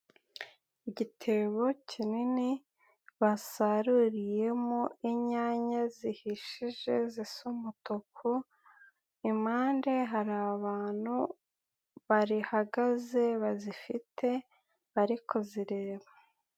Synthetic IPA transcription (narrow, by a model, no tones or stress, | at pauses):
iɟitʰe̞βo̞cʰinini | βasaɾuɾije̞moiɲaːɲazihiʃiʒe̞zisumutokʰo | imaːnde̞ɦaɾaβaːn̥hu | βaɾihaɡaze̞βazifitʰe̞ | βaɾikʰoziɾe̞ːβa